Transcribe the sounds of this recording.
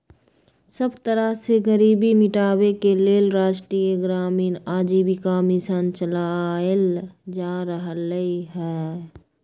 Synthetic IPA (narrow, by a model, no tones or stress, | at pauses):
səbt̪əɾaseɡəɾiːbimɪʈaːwekeleːlɾaːʃʈɾiːjeɡɾaːmiːnaːd͡ʒiːbikamisənt͡ʃəlaəld͡ʒaːɾəɦləiɦɛː